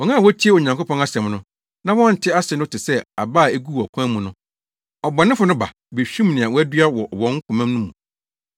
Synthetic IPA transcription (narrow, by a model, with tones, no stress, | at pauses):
ɔ˨ŋã˦˨wɔ˦tʰi˦e˦o˨ɲã˨ŋko˦pʰɔ̃˦na˦sɛ̃˨mnʊ̃˦ | nã˦wɔ̃˦n̩˨tʰɪ˦a˦sɛ˨nʊ̃˦tʰɪ˨sɛ˦a˨baː˦˨e˦ɡu˦˨ɔ˨kʷʰã˦mũ˨nʊ̃˦ | ɔ˨bɔ˨nɪ̃˦fʊ˨nʊ̃˦ba̰˨ | be˨ɕᶣĩ˦mnɪ̃˨a˨wɔ˦æ˦dɥa˦wɔ˨wɔ̃˦ŋ̩˦kʰʊ˨mæ̃˦m˦nũ˦mũ˨